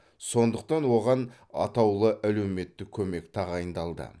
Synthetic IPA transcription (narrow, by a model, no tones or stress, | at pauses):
so̞nd̪əqt̪ɑnwo̞ʁɑn | ɑ̰t̪ɑwlˠəʔæle̞wme̞t̪ːɪkʲʰɵme̞kt̪ʰɑʁɑjənd̪ɑlˠd̪ə̰